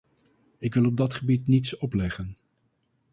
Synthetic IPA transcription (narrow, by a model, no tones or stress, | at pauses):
ɪkʋɪlˠɔb̚dɑtχəbitnitsɔplɛχən